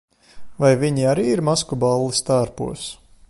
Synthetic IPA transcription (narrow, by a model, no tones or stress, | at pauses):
vajviɲiaɾiːiɾmaskubalˠːist̪aːɾpṵɔs